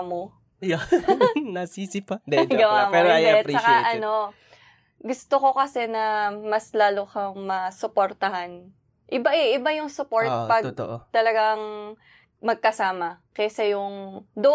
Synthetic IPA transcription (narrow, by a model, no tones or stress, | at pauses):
mo | nɐsiːsɪpɐd̪ɛɡɐwamɛɾɛt͡ʃɐkaʔɐno̞ | ɡʊst̪oko̞kɐsɛnɐmɐslaːlokɐŋmɐsʊpoɾt̪ɐhan | ʔɪbaʔɛʔɪbajʊŋsʊpo̞ɹt̪̚pɐɡ̪̚t̪ʔt̪ɐlɐɡaŋ | mɐɡ̚kɐsaːmɐkɛsɛjʊŋd̪o